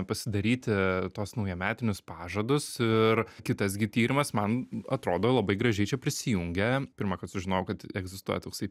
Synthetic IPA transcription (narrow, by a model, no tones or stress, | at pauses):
pɐsʲɪd̪ɐɾʲiːt̪ʲɪt̪oːsnɐʊjɛmʲæːt̪ʲɪnʲʊspɑːʒɐd̪ʊsɪɾkʲɪt̪ɐs̬ɡʲɪt̪ʲiːɾʲɪmɐsmɐnɐt̪ɾoːd̪oːlˠɐbɐɪɡɾɐʒʲɛɪt͡ʃʲɛpʲɾʲɪsʲɪjuŋʲɡʲɛpʲɪɾmɐːkɐt̪sʊʒʲɪnoːʊkɐt̪ɛɡzʲɪst̪uɔ̰jɛt̪oːksɐɪ